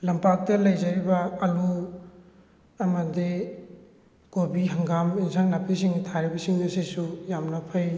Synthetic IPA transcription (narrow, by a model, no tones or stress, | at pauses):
lɐmpak̚tɐlɐjzɐɾibɐːlu | ɐmɐdi | kobiɦɐŋɡaminsaŋnapʰisiŋtʰaɾibɐsiŋnɐsisujamnɐpʰɐj